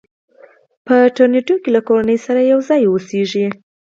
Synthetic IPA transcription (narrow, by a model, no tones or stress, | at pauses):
pəʈaɾneʈokelakoɾanəjsaɾajawzɑjoseʒi